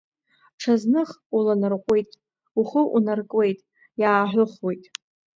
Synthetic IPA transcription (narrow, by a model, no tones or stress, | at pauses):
ʈ͡ʂʰaznɨχulanɨrqʷʼejtʼ | uχəʔunarkʼwe̞jtʼ | jaːħʷᶣʊχwejtʼ